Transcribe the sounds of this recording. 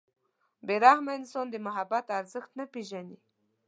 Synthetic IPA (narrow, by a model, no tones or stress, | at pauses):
beɾahmaɪnsond̪əmʊɦabat̪aɾzəxt̪napeʒani